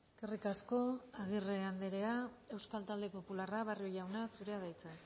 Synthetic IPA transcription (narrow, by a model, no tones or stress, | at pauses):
eske̞rikasko̞aɣ̞ireand̪eɾe̞ae̞wskalt̪ald̪e̞po̞pularaβario̞ʝawnasuɾe̞aðajt͡se